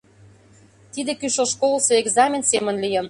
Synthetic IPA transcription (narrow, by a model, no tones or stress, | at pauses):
t̪id̪ĕkyʃoʃkolˠseeɡzɑmʲensemə̆nlijə̆n